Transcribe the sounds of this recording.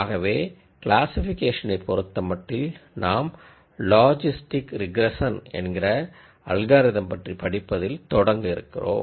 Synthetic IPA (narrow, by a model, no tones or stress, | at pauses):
aːɣɐʋeː | klaːsɪfɪkeːʂɐnɐɪpːɔɾɯt̪ːɐmɐʈːɪlnʔaːm | laːd͡ʒɪsʈɪkɾɪɡɾɛsɐnɛ̰nɡɪrɐ | ɐɭɣaːɾɪðɐmpɐʈripɐɽɪpːɐðɪlt̪ɔɽɐŋɡɯɪɾɯ̰kːɪ̰ro̰ː